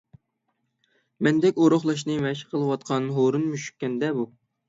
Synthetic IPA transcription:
mɛnd̪ɛkʲoɾoχlˠɑʃ̬nɨmɛʃqʰəlˠɨwɑt̪̚qʰɑnɦoɾunmyʃy̥kʲːɛnd̪ɛbu

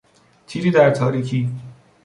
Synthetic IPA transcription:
t͡ʃʰiːziːd̪æɾt̪ʰɒːɾiːkʰiː

